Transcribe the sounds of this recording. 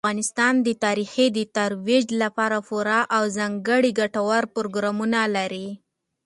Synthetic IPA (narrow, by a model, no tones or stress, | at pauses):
ɣɑnɪst̪ɑnd̪ət̪ɑɾixid̪ət̪aɾwid͡ʒlapɑɾafʊɾɑʔawzɑŋɡəɽiɡaʈawaɾpʊɾoɡɾɑmunalaɾi